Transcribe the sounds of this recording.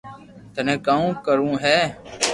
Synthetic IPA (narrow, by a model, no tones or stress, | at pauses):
t̪ənẽːkaːũːkəɾũːɦɛː